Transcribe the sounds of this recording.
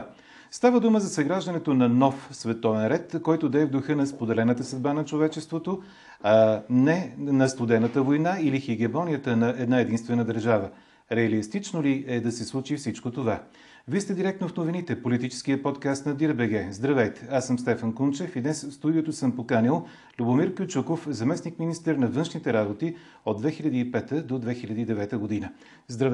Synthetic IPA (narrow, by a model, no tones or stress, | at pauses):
st̪avəd̪uməzɐsɐɡɾaʒd̪ɐnɛt̪onɐnɔfsvɛt̪ɔvɛnɾɛt̪kɔjt̪ʊd̪ɐɛvd̪ʊxɤnɐspod̪ɛlɛnət̪əsəd̪̚banɐt͡ʃovɛt͡ʃɛst̪vot̪o | anɛnɐst̪ʊd̪ɛnət̪əvojnailixiɡɛmɔnijət̪ənɐʔɛd̪naɛd̪inst̪vɛnəd̪əɾʒavə | ɾɛəlist̪it͡ʃnoliɛd̪ɐsɛslˠut͡ʃifsit͡ʃkot̪ova | vist̪ɛd̪iɾɛk̚t̪nofnovinit̪ɛpolit̪it͡ʃɛ̥skiəpɔt̪kast̪nɐd̪iɾbɛɡɛzd̪ɾɐvɛjt̪ɛ̥asəmst̪ɛfənkunt͡ʃɛfid̪nɛsfst̪ud̪iot̪osɤmpokanilˠ | lʲubʊmiɾkjʊt͡ʃukofzɐmɛsnikminist̪əɾnɐvɤnʃnit̪ɛɾabot̪i | od̪vɛxilʲɐd̪iːpɛt̪əd̪od̪vɛxilʲɐd̪iːd̪ɛvɛt̪əɡod̪inə | zd̪ɾɐv